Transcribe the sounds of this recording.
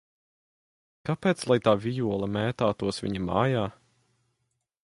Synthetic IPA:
kapeːt̪slˠajt̪aːvʲijuɔlˠɐmɛːt̪aːt̪uɔsvʲḭɲama̰ːjaː

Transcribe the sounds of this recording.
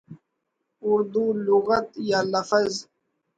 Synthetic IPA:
ʊɾd̪uːlʊɣət̪jaːləfəz

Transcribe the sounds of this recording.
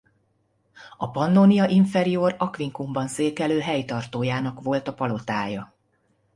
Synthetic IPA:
ɒpɒnd̪onijɒʔiɱfɛɾijoːrɒkʋiŋkumbɒnseːkɛløːɦɛjt̪ɒrt̪oːjaːnɒkʋo̞lt̪ɒpɒlo̞t̪aːjɒ

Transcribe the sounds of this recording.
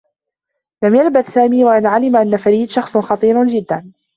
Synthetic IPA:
lamjalbaθsaːmiːwaʔɪnʕalɪmaʔanːafaɾiːd̪ʃɑxsˤxɑt̪ˤiːɾd͡ʒɪd̪ːan

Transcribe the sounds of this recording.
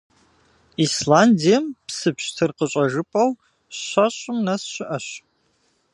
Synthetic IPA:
islaːndijɛmpsɨpɕtʰɨrqəɕʼɐʒɨpʼɐw | ɕɐɕʷʼʊmnɐsɕɪʔɐɕ

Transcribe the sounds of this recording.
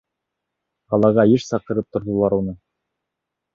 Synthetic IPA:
ɑlˠɑʁɑjɘʃsɑq̚ɤ̆ɾɤp̚t̪ŏɾðŏlˠɑɾunɤ

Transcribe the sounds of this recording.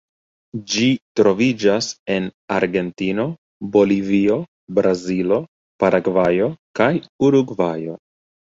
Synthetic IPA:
d͡ʒitɾo̞vid͡ʒase̞na̰ɾɡe̞ntino̞ | bo̞livio̞ | bɾazilo̞ | paɾʔaɡvajo̞kajuɾuɡvajo̞

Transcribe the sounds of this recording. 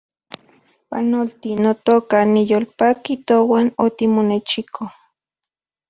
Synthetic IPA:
pa̰nolt̪inot̪okanijolpakit̪owanot̪imonet͡ʃikʰo

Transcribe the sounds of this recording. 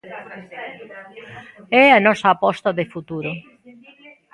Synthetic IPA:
ɛanɔsaːpɔst̪ɐðefut̪uɾʊ

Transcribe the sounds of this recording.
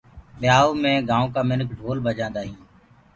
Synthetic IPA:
ɓɪjaːoːmẽːɡãːõːkaːmɪnəkʰɖʱoːlbʱəd͡ʒãːnd̪aːɦĩː

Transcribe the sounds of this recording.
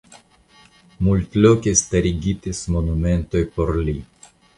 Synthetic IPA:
multlokestaɾiɡitismo̞nume̞nto̞jpo̞ɾli

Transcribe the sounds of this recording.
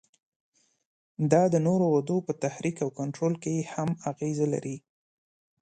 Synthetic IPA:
d̪ɑd̪ənoɾowad̪opət̪ahɾikawkaɳʈɾolkejehamaɣezala̰ɾʔi

